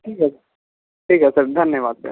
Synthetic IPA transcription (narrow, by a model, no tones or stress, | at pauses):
ʈʰiːkɦɛsɾ | ʈʰiːkɦɛsɐɾd̪ʱɐnjəʋaːd̪̚pḛ